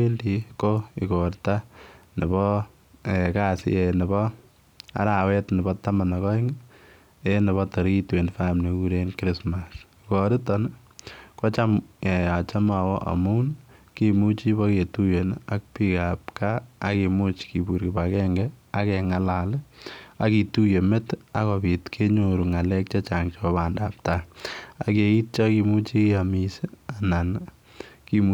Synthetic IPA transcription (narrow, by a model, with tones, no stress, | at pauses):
e˦ldi˨koi˨kɔɾta˦nɪ˨bɔ | ɛkasɪ̰˦enɛ˨bɔ˦ | a̰˦ɾa˨wɛ˦tnɛ˨bɔtama˨nɔkɔ˦iŋ | enɛ˨βɔtɔ˨ɾiitwe˨nfa˦mne˨ku˦ɾenkɾi˦smasikɔɾɪ˦tɔn | kɔ˦t͡ʃame˨a˨t͡ʃa˦ma˨wɔʔa̰˨munkimu˦t͡ʃi˦bɔketu˦jena˦k̚pikap̚kaː˦kemu˦t͡ʃki˨bu˨ɾkipakɛŋɡɛa˦kɛŋalala˦ki˨tu˦je˨me˦ta˦kɔpi˨tkʰe˦ɲoɾu˨ŋa˨lɛk̚t͡ʃɔt͡ʃaŋt͡ʃɔɔ˦pandap̚taake˨i˦t̚t͡ʃɔki˧mu˦t͡ʃi˦jamisi˦a˨nan | kim